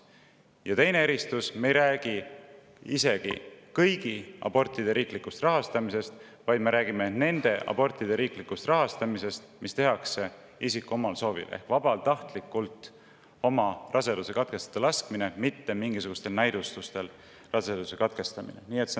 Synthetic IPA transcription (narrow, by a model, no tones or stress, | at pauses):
jɑt̪e̞jne̞eɾist̪usme̞jɾæːɡ̥i | ise̞ɡḭkɤjɡ̥iɑ̰b̥o̞rt̪ːˑid̪e̞ɾiːklikːˑust̪rɑɦɑst̪ɑmise̞st̪ | vɑjd̪̥me̞ɾæːɡimene̞nd̪̥e̞ʔɑ̰bo̞rt̪ˑid̪̥e̞ɾiːklikːust̪rɑɦɑst̪ɑmise̞st̪mist̪e̞ɦɑkse̞ | isikːˑuomɑlso̞ːvḭle̞̰hkvɑbɑlt̪ɑht̪likːˑult̪ˑ | o̞mɑrɑse̞d̪use̞kɑt̪̚ke̞st̪ɑ̥t̪ːɑlɑskmine̞mit̪ːe̞miŋɡisuɡ̥ust̪e̞lnæjd̪̥ust̪ust̪e̞l | rɑsed̪̥use̞kɑt̪ke̞st̪ɑmḭnḛniːet̪se